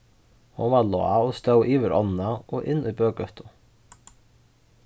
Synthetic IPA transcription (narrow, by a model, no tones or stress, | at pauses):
hʊnvaɾlɔ̰aɔst̪œwʔiːʋɪɾʔɔ̰nnaʔɔʔɪnːʔujbøːkœht̪ʊ